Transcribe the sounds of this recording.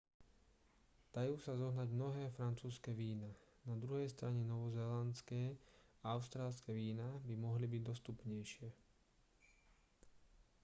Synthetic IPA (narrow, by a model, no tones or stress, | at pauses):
d̪̥ajuːsazɔɦnaɟmnɔɦɛːfɾant͡suːskɛʋiːnanad̪ɾuɦɛjst̪ɾaɲɛnɔʋɔzɛːlant͡skɛːaaʊst̪ɾaːlskɛʋiːnabimɔɦlibiɟd̪ɔst̪upɲɛjʃɪɛ